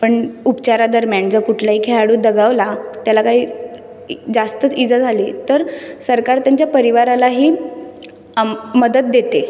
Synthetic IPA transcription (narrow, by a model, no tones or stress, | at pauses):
pəɳupt͡ɕaɾad̪əɾmjaɳd͡zəkuʈʰlaɦiːkʰeɭaɽuːd̪əɡaʋlat̪jalakaɦiː | d͡zast̪ət͡sid͡zad͡zʱaliːt̪əɾsəɾkaɾt̪jaɲt͡ɕjapəɾiʋaɾalaɦiː | məd̪ət̪̚d̪et̪e